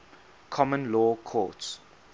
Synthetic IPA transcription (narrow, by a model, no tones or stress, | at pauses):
kʰɔmə̃nlɔːkʰɔ̰ˑts